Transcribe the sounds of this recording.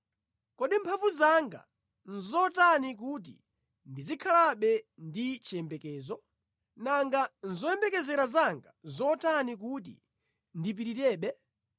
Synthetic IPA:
kɔɗimpʰavuzaŋɡa̰ | n̩zɔtanik̬ut̬ḭ | ndizikʰalaɓɛndit͡ʃɛmbɛkɛːzɔ | naŋɡanzɔɛmbɛkɛzɛɾazaŋɡa̰zɔtanik̬ut̬ḭ | ndip̬iɾitɛːɓɛ

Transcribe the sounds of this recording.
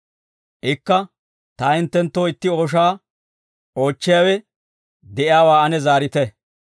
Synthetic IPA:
ʔɪkːɐ | t̪aːɪnt̪ːɛnt̪ːoːɪt̪ːɪo̞ːʃaː | ʔo̞ːt͡ʃːɪjaːwɛ | d̪ɛʔɪjaːwaːɐnɛzaːɾɪt̪ɛ

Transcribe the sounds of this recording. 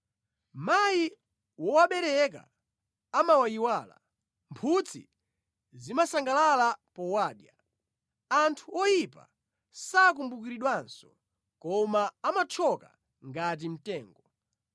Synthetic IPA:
maji | wɔwaɓɛɾɛk̬a̰ | amawajiwaːla̰ | mpʰut͡sʰḭ | zimasaŋɡalalapɔwaːɗja | antʰuɔjipa̰ | saːk̬umbukiɾiɗwansɔ̥ | kɔmaamat͡ʃʰɔka̰ | ŋɡat̬im̩tɛːŋɡɔ

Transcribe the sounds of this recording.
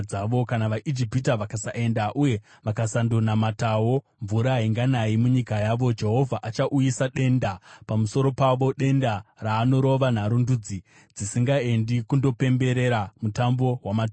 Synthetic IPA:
aʋo̞kanaʋaʔid͡ʒipitaʋakasaʔe̞ndaʔuje̞ | ʋakasandonamatawo | ɱvuɾaiŋɡanaimuɲikajaʋo̞d͡ʒe̞ɦo̞vʱaʔat͡ʃaʔujisaɗe̞ndapamuso̞ɾo̞paʋo̞ɗe̞ndaraːno̞ɾo̞ʋan̤aɾundud͡zi | d͡zisiŋɡae̞ndikundo̞pe̞mbe̞ɾe̞ɾamutambo̞ɦwamat

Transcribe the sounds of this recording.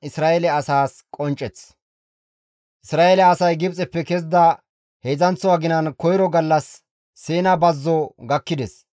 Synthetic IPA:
ɪsɾaːʔɛlɛɐsaːskʼɔnt͡ʃʼːɛt͡s | ʔɪsɾaːelɛɐsɐjɡɪbt͡sʼɛpːɛkɛz̬d̪ɐ | heːzɐnt͡sːɔwaɡɪnɐnkɔjɾɔɡɐlːɐsː | eːnɐbɐzːɔɡɐkːɪd̪ɛs

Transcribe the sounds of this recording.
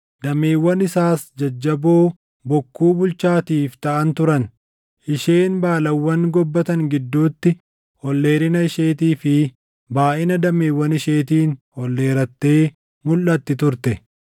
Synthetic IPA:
d̪ɐme̞ːwːɐnɪsaːsd͡ʒɐd͡ʒːɐboː | bɔkːuːbʊlt͡ʃaːt̪iːft̪ɐʔɐnt̪ʊɾɐn | ʔɪʃe̞ːnbaːlɐwːɐŋɡɔbːɐt̪ɐŋɡɪd̪ːuːt̪ːɪ | hɔlːe̞ːɾɪnɐɪʃe̞ːt̪iːfɪ | baːʔɪnɐd̪ɐme̞ːwːɐnɪʃe̞ːt̪̬iːnhɔlːe̞ːɾɐt̪ːe̞ː | mʊlːɐt̪ːɪt̪ʊɾt̪ɛ

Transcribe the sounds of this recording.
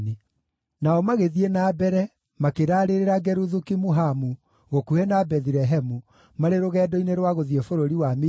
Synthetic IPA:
ne | naɔmaɣeðienabɛɾɛ | makeɾaːɾeɾeɾaɡɛɾuðukimuɦamu | ɣokuɛnabɛðiɾɛɦɛmu | maɾeɾoɣɛːdɔineɾwaɣoðiefoɾoɾiwam

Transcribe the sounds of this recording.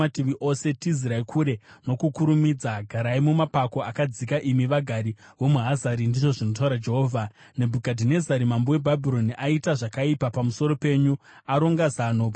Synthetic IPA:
atiʋiʔo̞se̞tiziɾaikʰuɾe̞no̞kukuɾumid͡zaɡʱaɾaimumapako̞akad͡zikaʔimiʋaɡʱaɾiʋo̞muɦazaɾindiʐo̞ʐino̞t̬auɾad͡ʒe̞ɦoːvʱane̞bʱukadʱine̞zaɾimambowe̞bʱabʱiɾo̞niʔaitaʐakaipapamuso̞ɾo̞pe̞ɲuaɾo̞ŋɡazanop

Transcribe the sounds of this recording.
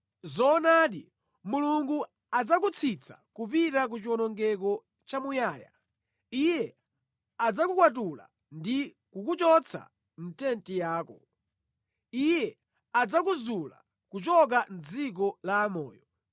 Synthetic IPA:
zɔnaːɗḭ | muluŋɡu | ad͡zak̬ut͡sʰit͡sʰḁ̰kupiɾak̬ut͡ʃiwɔnɔŋɡɛk̬ɔ | t͡ʃamujaːja̰ | ijɛ | ad͡zakukwat̬ula̰ | ndi | kukut͡ʃɔt͡sʰa̰ | n̩tɛntijaːkɔ̰ | ijɛ | ad͡zakuzula̰ | kut͡ʃɔk̬an̩d͡zik̬ɔlaːmɔ̰ːjɔ

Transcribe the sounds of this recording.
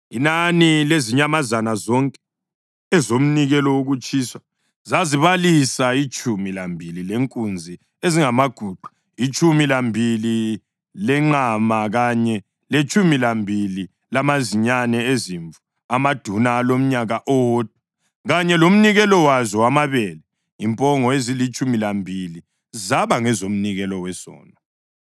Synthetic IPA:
inanileziɲamazanazɔŋkʼɛ̥ | ɛzom̩niɣɛlɔwoɣut͡ʃʼiːswa | zaziβalisait͡ʃʼumilambʱilileŋkʼund͡zʱi | eziŋamaɡ̥ʱuːɡ͡ǃʱu̥ | it͡ʃʰʼumilambʱili | lɛŋ͡ǃamaɣaɲɛ | let͡ʃʼumilambʱili | lamaziɲanɛeziɱvu | amad̥ʱunaːlom̩ɲaɣaʔood̥̚ʱu̥ | ɣaɲɛlom̩niɣɛlɔwazɔwamaβɛːlɛ | impʼɔŋɔezilit͡ʃʼumilambʱili | zaβaŋɛzom̩niɣɛlɔwɛsɔ̰ːna

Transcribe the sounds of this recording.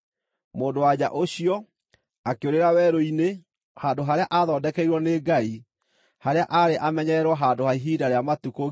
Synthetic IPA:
moːndowaɲaʔoɕiɔ | akeoɾeɾawɛːɾoine | haːndoɦaɾeaʔaðɔːdɛkɛiɾwɔneːɡai | haɾeaʔaɾeʔamɛɲɛɾwɔɦaːndohaiɦiːdaɾeamatuko

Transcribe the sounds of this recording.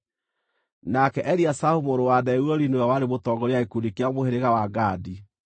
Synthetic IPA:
nakɛʔɛɾiasahumoɾowaðɛuɾɔɾinoawaɾemotɔɡɔɾeaekudikeamoheɾeɣawaɡadi

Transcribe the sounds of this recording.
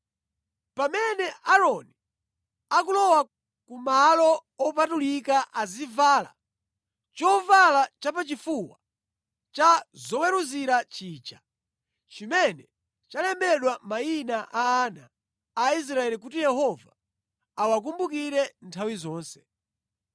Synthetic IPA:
pamɛnɛaɾɔni | akulɔwa | kumalɔɔp̬atulikaʔazivaːla̰ | t͡ʃɔvalat͡ʃapat͡ʃifuwa̰ | t͡ʃazɔwɛɾuziɾat͡ʃiːt͡ʃa | t͡ʃimɛnɛ | t͡ʃalɛmbɛɗwamainaʔaːnaː | is̬ɾaɛlik̬ut̬ijɛhɔvaː | wak̬umbukiɾɛntʰawizɔːnsɛ̥

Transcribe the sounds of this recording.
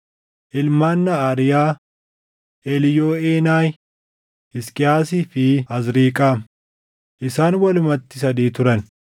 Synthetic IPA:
ʔɪlmaːnːɐaːɾɪjaː | ʔelɪjoːeːnaːj | ɪskʼɪjaːsiːfɪɐzɾiːkʼaːm | ʔɪsaːnwɐlʊmɐt̪ːɪs̬ɐd̪iːt̪ʊɾɐn

